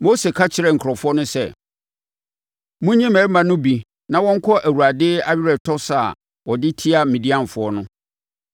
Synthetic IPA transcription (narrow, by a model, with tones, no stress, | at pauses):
mo˦se˨kʰa˦t͡ɕʰɪ˨ɾɛ˦˨ŋ̩˨kʰɾɔ˨fʊ˦ɔ˦nʊ̃˦sɛ̰˦˨ | mũ˦ɲĩ˦mɛ̃˨ɾmã˨nʊ̃˦bi˨ | nã˨wɔ̃˦ŋ̩˦kʰɔ˦ʔæ˨wu˨ɾa˨dɪː˦a˦ɥɪ˦ɾɛ˨tʰɔ˦sa˨ | wɔ˨dɪ˦tʰi˦a˦mĩ˨di˦ã˦˨m˨fʊ˨˦ɔ˦nʊ̃˦